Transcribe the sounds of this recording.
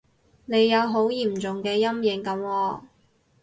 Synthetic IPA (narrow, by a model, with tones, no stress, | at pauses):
ne˨˧jːɐ˨˧wɦo˨˥wjiː˨˩mt͡sʊ˨ŋkɛː˧jɐ˥mjɪ˨˥ŋkɐ˨˧˥mwɔː˧